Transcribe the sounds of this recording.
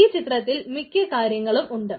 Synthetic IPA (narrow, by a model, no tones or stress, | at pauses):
iːt͡ɕit̪rɐt̪ːilmikʲːɐkaːɾjɐŋːɐɭumʔuɳɖɨ